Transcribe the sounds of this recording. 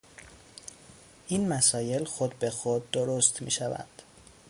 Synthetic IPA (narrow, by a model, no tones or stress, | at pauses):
ʔiːnmæsɒːje̞lxod̪̚be̞xod̪ːoɾost̪mḭːʃævæ̰nd̪̥